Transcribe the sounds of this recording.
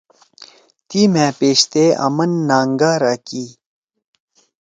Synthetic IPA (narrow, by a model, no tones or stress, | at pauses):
t̪iːmẽːpeːɕt̪eʔɐ̰mɐnːaːŋɡaːɾakiː